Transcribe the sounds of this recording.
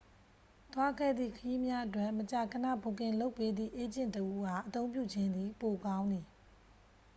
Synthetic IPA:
t̪wa˦ɡɛ̰˦˨d̪ðḭ˦˨kʰəji˦mja˦ʔətwɛ˦˨mət͡ɕa˨kʰə˨na̰˦˨bo˨kɪ̃˨lo˦ʊpːe˦d̪ðḭ˦˨ʔe˦d͡ʑɪ̃˦˨ntəʔu˦ɦa˨ʔət̪õ˦ʊ̃mp̬jṵ˦˨d͡ʑɪ̃˦nd̪i˨po˨kã˦ʊ̃nd̪ði˨

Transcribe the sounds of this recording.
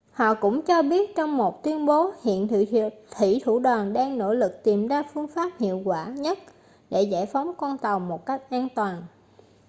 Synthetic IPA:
hɔ̰˧˨kʊ̰˧˥ŋ͡mt͡ɕɔ˧ɓi˦˥ət̚t͡ɕɔ˧wŋ͡mmo˨˩t̚t̪wi˧ənɓo˨˦hḭ˧˨ənʰ˧t̪ʰḭ˧˩t̪ʰu˧˩ɗəː˨˩nɗaː˧ŋno̰˧˥lɨ˨˩k̚t̪i˨˩mzaː˧fɨ˧əŋfaː˦˥p̚hḭ˧˨əwkwaː˧˩ɲə˦˥t̚ | ɗe˧˩za̰˧˩jfɔ˨˦wŋ͡mkwa˧nt̪a˨˩wmo˨˩t̚ka˦˥jk̟̚ʔaː˧nt̪waː˨˩n

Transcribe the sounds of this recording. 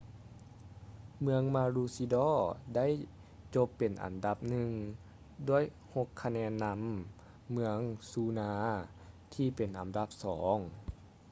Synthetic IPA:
mɯ˧əŋmaː˧luː˧si˧dɔː˧˥˩da˥˨j | t͡ɕo˧˥pːe˨˩nʔa̰˨˩nda˧˦p̚nɯ˧ŋ | du˥˩əj | ho˧kʰːa˧nɛː˧˥nːa˧˥mː | ɯ˧əŋsuː˧˦naː˧ | t̪ʰiː˧pe˨˩nʔa˨˩mda˧˥˦p̚sɔː˩˦ŋ

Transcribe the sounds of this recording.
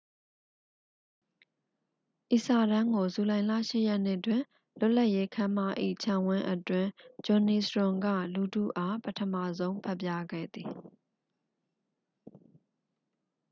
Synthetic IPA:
ʔi˨sa˨ɾã˦ŋɡo˨zu˨lã˨ɪ̃la̰˦˨ʃɪ̰˦˨jɛ˦ʔn̥ɪ˦ʔtwɪ̃˨ | lʊ˦ʔla˦˨ʔje˦kʰã˦ma˦˨ʔḭ˦˨t͡ɕʰã˦˨wɪ̃˦ʔətwɪ̃˨d͡ʑɔ̃˨ni˨sɹʊ̃˨ŋɡä̰˦˨lu˨dṵ˦˨ʔa˦pətʰə˨ma̰˦˨zõ˦ʊ̃mpʰɛ˦˨pja˦ɡɛ̰˦˨d̪ði˨

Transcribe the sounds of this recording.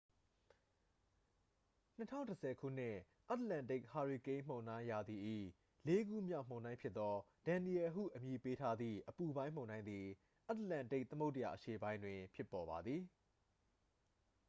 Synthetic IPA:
n̥ə˦tʰã˦˨ntəsʰɛ˨kʰṵ˦˨n̥ɪ̃˦˨ | ʔa˦t̪lã˨nte˦˨kha˨ɹi˨kẽ˦ɪ̃m̥õ˨ʊ̃ndã˦ɪ̃ja˨d̪i˨ʔḭ˦˨ | le˦ɡṵ˦˨mjã˦˨m̥õ˨ʊ̃nã˦ɪ̃pʰjɪ˦t̪ːɔ˦d̥ã˨ni˨ɛ˨ɦṵ˦˨ʔəmji˨pe˦tʰa˦d̪ðḭ˦˨ʔəpu˨bã˦ɪ̃m̥õ˨ʊ̃nã˦ɪ̃nd̪i˨ | ʔa˦t̪əlã˨nte˦ɪʔ̚t̪əmo˦ʊtəja̰˨ʔəʃe˨bã˦ɪ̃ndwɪ̃˨pʰjɪ˦pːɔ˨βa˨d̪ði˨

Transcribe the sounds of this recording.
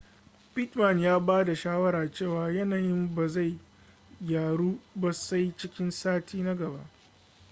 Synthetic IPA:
pɪ˦tmɐ˨njaː˦baː˦da˨ʃaː˦wɐ˦ɾaː˨t͡ʃeː˦˨waː˨jɐ˦naː˨jɪ˦mba˨za˦˨j | jaː˨ɽuː˦bɐ˨sa˦jt͡ʃɪ˦kʲɪ˦nsaː˦tʰiː˦na˦ɡɐ˨ba̰˦ʔ

